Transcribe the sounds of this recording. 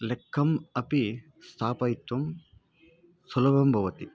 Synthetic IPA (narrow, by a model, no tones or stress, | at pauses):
lekʰːɐmɐpi | st̪ʰaːpɐjt̪ʋɐm | sulɐʋɐmbʱɐʋɐt̪i